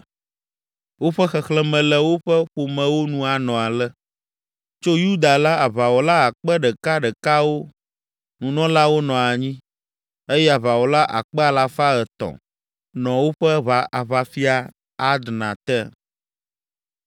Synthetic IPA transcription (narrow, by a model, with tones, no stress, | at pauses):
wo˦ɸɛ˦xɛ˨xlɛ˦mɛ̃˨lɛ˦wo˦ɸɛ˦ɸo˨mɛ̃˨wo˦nũ˦a˨nɔ̃˨a˨lɛ˦ | t͡ʃo˦ju˦d̪a˨la˦a˨βa˨wo˨la˦a˨k͡pɛ˦ɖɛ˨ka˦ɖɛ˨ka˦wo˦ | nũ˨nɔ̃˦la˦wo˦nɔ̃˨a˨ɲĩ˦ | e˦jɛ˦a˨βa˨wo˨la˦ʔa̰˨k͡pɛ˦a˨la˨fa˦ɛ˨t̪ɔ̰̃˨ | nɔ̃˨wo˦ɸɛ˦βa˨˦a˨βa˨fi˦a˦ | a˦d̪nã˨t̪ɛ˦